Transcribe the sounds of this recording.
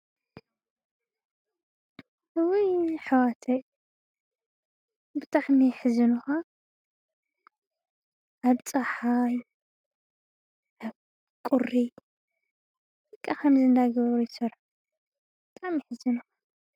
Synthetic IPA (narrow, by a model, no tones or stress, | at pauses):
wujħɨwat̪ʰɐ | bɨt̪ʰʼaħmiħɨzɨnuxa | ʔaβt͡sʼaħaj | ʔaβ | kʼuri | ɨkʼːakʰɐmzɨnd̪aɡɐβɾujsɐɾ | bɨt̪ʼaʕmijiħɨzɨnuxḁ